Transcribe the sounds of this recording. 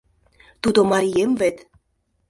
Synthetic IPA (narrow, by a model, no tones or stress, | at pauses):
t̪ud̪omɑɾʲiemvet̪